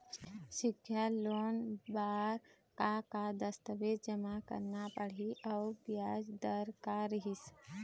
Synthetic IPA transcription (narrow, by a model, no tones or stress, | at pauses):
sɪkʰːjaloːnbaːɾ | kakad̪əst̪əʋeːd̪̚d͡ʒəmakə̰ɾnapəɽ̤iʔɔːbjaːd͡ʒd̪əɾkaɾɪɦɪs